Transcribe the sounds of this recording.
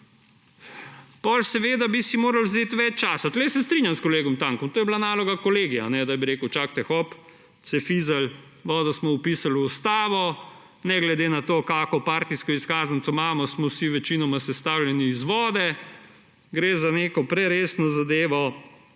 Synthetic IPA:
pɔlsɛʋeːd̪abisimoːɾalwzeːt̪ʋɛt͡ʃt͡ʃaːsat̪lɛjsɛst̪ɾinjamskɔleːɡɔmt̪aːŋkɔmt̪oːjɛblanaːlɔɡakɔleːɡianɛd̪abiɾeːkəwt͡ʃaːk̚t̪ɛxɔp̪ | sɛfiːzal | ʋɔːd̪ɔsmɔupisalːst̪aːʋɔ | nɛɡlɛd̪eːnat̪oːkaːkɔpaːɾt̪iskɔiskaːzansɔmaːmɔsmɔsiʋɛt͡ʃinɔmasɛst̪aːwljɛniːzʋɔːd̪ɛ | ɡɾeːzaneːkɔpɾɛɾeːsnɔzad̪eːʋɔ

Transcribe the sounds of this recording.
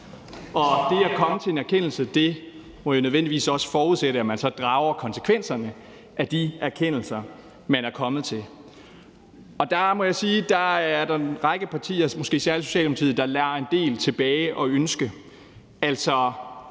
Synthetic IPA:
ɒ̽d̥e̝ækʰɒ̽mət͡sʰe̝e̝næɐkʰen̰l̩səd̥e̝ | mɒ̽jo̝nøðˠʋen̰d̥iʋḭːsɒ̽sə̥fɒːuðˠseɾ̥əæmænsɒ̽d̥ʁɑ̈ːʊɐkʰɒ̽nsə̥kʰʋen̰sɐnə | ʔæd̥iæɐkʰen̰l̩sɐ | mænæɐkʰɒ̽mð̞̩ˠt͡sʰe̝l | ɒ̽d̥ɑ̈mɒ̽jɑ̈ɪsiːd̥ɑ̈æɐɾɑ̈ʁɑ̈ɡ̥əpʰɑ̈t͡sʰḭːɐmɔ̽sɡ̥e̝̰ːsæɐləso̝ɕɛ̰ːldepʰt͡sʰḭːð̩ˠd̥ɑ̈læːɐe̝nd̥e̝̰ːlt͡sʰe̝b̥ɛːɪʔɒ̽ønsɡ̥ə | æl̰sɒ̽

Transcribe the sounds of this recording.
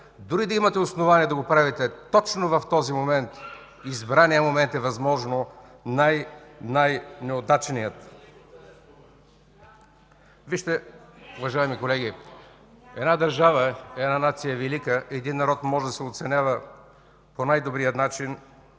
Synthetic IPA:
d̪ʊɾid̪ɐimɐt̪ɛosnovaniɛd̪ɐɡopɾavɛt̪ɛt̪ɔt͡ʃnovɐft̪ɔzimomɛnt̪ | izbɾanijəmomɛnt̪ɛvɐzmɔʒno | najnajnɛod̪at͡ʃnijət̪ | viʃt̪ɛʊvɐʒaɛmikolɛɡʲi | ɛd̪nad̪ɐɾʒavəɛd̪nanat̪sijəvɛlikəʔɛd̪inːɐɾɔt̪mɔʒɛd̪ɐsɛot̪sɛnʲavə | ponajd̪obɾijət̪nat͡ʃin

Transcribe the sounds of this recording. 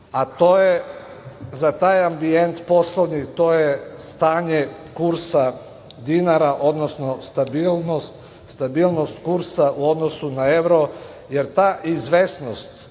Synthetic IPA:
at̪oje | zat̪aːjambient̪po̞slˠoʋnit̪oːjest̪aːɲe | kuɾsa | d̪inaɾaʔo̞d̪nosnost̪abilˠnost̪ | st̪abiːlˠno̞st̪kuɾsaʔuo̞d̪nosunae̞ʋɾo | je̞ɾt̪aːʔizʋesnost̪

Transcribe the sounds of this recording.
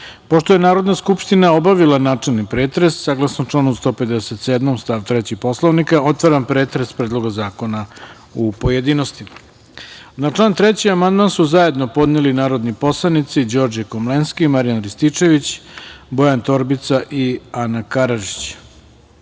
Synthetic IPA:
po̞ʃt̪o̞jenaːɾo̞d̪naskupʂt̪inao̞baʋilanaːt͡ʂelˠnipɾeːt̪ɾe̞sːaːɡlˠasnomʈ͡ʂlˠaːnust̪o̞ped̪eset̪sed̪mo̞mst̪aːʋt̪ɾet͡ɕixpo̞slˠoʋnikao̞t̪ʋaɾampɾeːt̪ɾe̞spɾed̪lˠo̞ɡazaːko̞na | upo̞je̞d̪ino̞st̪im | nat͡ʂlˠaːnt̪ɾet͡ɕiamand̪mansuzaje̞d̪no̞po̞d̪nelinaːɾo̞d̪nipo̞slˠanit̪sid͡ʑo̞ːɾd͡ʑekomlenskimaɾijanɾist̪it͡ʂe̞ʋit͡ɕbo̞jant̪o̞ɾbit̪saʔianakaɾaʒit͡ɕ

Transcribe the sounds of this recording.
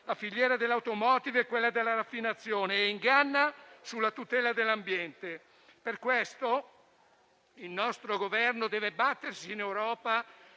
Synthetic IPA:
lafiʎːjɛːɾad̪elːawt̪omɔːt̪ivɛkːwelːad̪elːaɾafːinat̪sːjoːneːiŋɡanːasulːat̪ut̪ɛːlad̪elːambjɛnt̪e | perkwest̪o | ilnɔst̪ɾoɡovɛrnod̪ɛːvebat̪ːersiːnɛwɾɔːpa

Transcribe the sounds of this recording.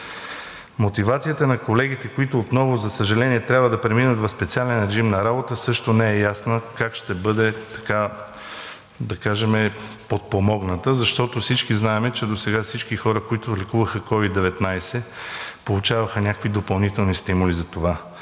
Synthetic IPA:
mot̪ivat̪sijət̪ənɐkolɛɡ̟it̪ɛkoit̪ʊːt̪nɔvʊzɐsəʒɐlɛniɛt̪ɾʲabvəd̪ɐpɾɛminət̪vɐfspɛt̪sialɛnɾɛʒimnɐɾabot̪əsɤʃt̪onɛɛjasnəkakʃt̪ɛbɤd̪ɛt̪ɐ̥ka | d̪ɐkaʒɛmɛpot̪̚pomɔɡnət̪əzɐʃt̪ɔt̪ofsit͡ʃkiznaɛmɛt͡ʃɛd̪osɛɡafsit͡ʃkixɔɾəkoit̪olikuvəxəkɔvid̪ːɛvɛt̪najsɛpolˠut͡ʃavɐxənʲakəkvid̪opɐlˠnit̪ɛlˠnist̪imʊlizɐt̪ova

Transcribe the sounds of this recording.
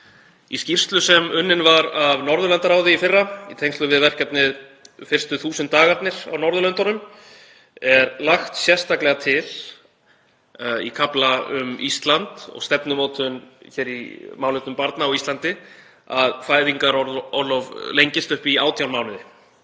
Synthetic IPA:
iscir̥st̪lʏsɛmʏnːɪnvaɾavnɔɾðʏlɛnt̪aɾaːwðɪifɪrːait̪ʰejŋst̪ʏvɪðvɛr̥cɛp̪nɪðfɪr̥st̪ʏθuːsʏnt̪ːaːɣaɾt̪nɪɾ̥a̰wnɔɾðʏlœnt̪ɔɾʏm | ɛɾlaxt̪sjɛst̪aklɛɣat̪ʰɪl | ḭkʰaplaʏmist̪lant̪ɔ̰ɣst̪ɛpnʏmoːwt̪ʰʏnçɛːɾimaːwnɛt̪ʏmpaɾt̪naɔwist̪lant̪ɪ | aðfaːjðiŋkaɾɔɔlɔvlejɲcɪst̪ʏhpiaːwt̪ʰjawnmaːwnɪðɪ

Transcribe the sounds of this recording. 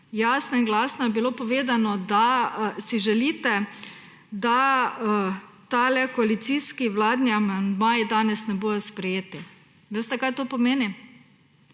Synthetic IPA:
jaːsnɔinɡlaːsnɔjɛbiloːpɔʋeːd̪anɔd̪asiʒɛliːt̪ɛ | d̪a | t̪alɛkoɔalit̪siːskiʋlaːd̪niamand̪maːjid̪aːnɛsnɛboːjɔspɾɛjeːt̪i | ʋest̪ɛkajt̪oːpɔmeːnim

